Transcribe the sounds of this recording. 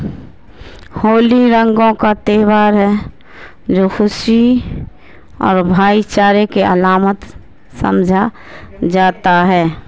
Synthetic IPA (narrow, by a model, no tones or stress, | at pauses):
hoːliɾə̃ŋɡõkat̪eːwaːɾɦɛ | d͡ʒoːxʊʃi | ɔːɾbʱaːit͡ʃaːɾekeɐlaːmət̪ | sə̰̃md͡ʒʱa | d͡ʒaːt̪aɦɛː